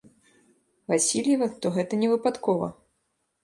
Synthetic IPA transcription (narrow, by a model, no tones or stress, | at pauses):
vasʲilʲjɐvɐt̪ɔɣɛt̪ɐnʲɛvɨpat̪kɔvɐ̰